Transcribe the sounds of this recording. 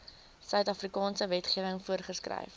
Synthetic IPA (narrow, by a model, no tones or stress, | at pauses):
sœɥtɐfrikɑːnsəvɛtχiəvəŋfuərχəskrɛ̰jf